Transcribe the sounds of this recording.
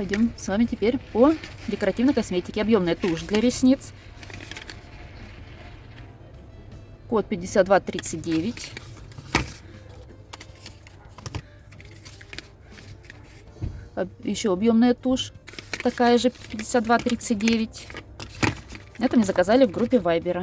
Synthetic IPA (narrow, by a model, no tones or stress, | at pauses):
pɐjdʲo̞msvamʲɪtʲɪpʲeɾʲpədʲɪkəɾɐtʲivnəjkɐsʲmʲetʲɪkʲɪɐbjo̞mnəjət̪uʂd̪lʲɐɾʲɪsʲnʲit̪s | ko̞t̪̚pʲɪdʲɪsʲat̪d̪vat̪ɾʲit̪sɨt̚ʲdʲevʲɪtʲ | jɪɕːo̞ɐbjomnəjət̪uʂt̪ɐkajəʐɨpʲɪdʲɪ̥sʲat̪d̪vat̪ɾʲit̪sɨt̚ʲdʲevʲɪtʲ | ɛt̪əmnʲeɛzəkɐzalʲɪvɡɾupʲːɪvajbʲɪɾə